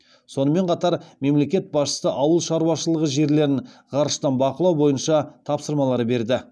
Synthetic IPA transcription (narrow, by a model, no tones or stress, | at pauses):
so̞nəme̞ɴqʰɑt̪ɑɾme̞mle̞kʲe̞t̪̚bɑsʃə̥səʔɑwəlˠʃɑɾuwɑʃəlˠəʁəʒe̞ɾle̞ɾɪɴʁɑɾəʃt̪ɑnbɑqəlˠɑwbo̞jənʃɑt̪ʰɑpsəɾmɑlˠɑɾəbe̞ɾd̪ɪ